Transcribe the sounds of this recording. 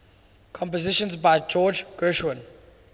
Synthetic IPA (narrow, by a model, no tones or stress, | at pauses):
kʰɔ̃mpəzɪʃə̃nzbaɪd͡ʒɔːd͡ʒɡ̥ɜʃwə̃n